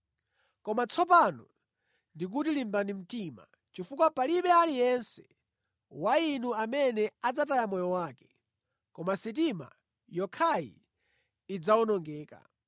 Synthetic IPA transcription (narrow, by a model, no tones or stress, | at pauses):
kɔmat͡sʰɔp̬anɔ̰ | ndik̬utilimbanim̩tima | t͡ʃifukwapaliɓɛalijɛnsɛ | wainuamɛnɛad͡zatajamɔjɔwaːkɛ̥ | kɔmasit̬ima̰ | jɔkʰaḭ | id͡zawɔnɔŋɡɛːka̰